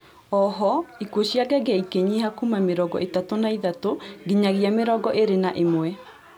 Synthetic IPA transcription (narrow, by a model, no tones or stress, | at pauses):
ɔɦɔikuoɕiaɡɛɡaikeɲiɦakumameɾɔɡɔ̰ʔetatonaiðatoɡiɲaɣiameɾɔɡɔʔeɾenaʔemwɛ